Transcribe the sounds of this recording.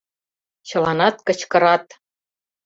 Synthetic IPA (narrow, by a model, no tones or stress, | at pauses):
t͡ɕɤ̆lɑnɑt̪kɤ̆t͡ɕkɤ̆ɾɑt̪